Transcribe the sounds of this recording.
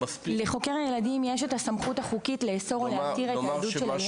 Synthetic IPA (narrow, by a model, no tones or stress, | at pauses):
leχo̞keʁajeladimjeʃetasamχutaχukitleːso̞ʁolehat̪iʁead̪ut͡ʃʃela